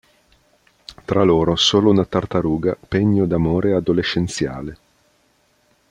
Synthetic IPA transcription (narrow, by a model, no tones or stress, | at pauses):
t̪ɾaloːɾosoːlounat̪art̪aɾuːɡapeɲːod̪amoːɾead̪oleʃent̪sja̰ːle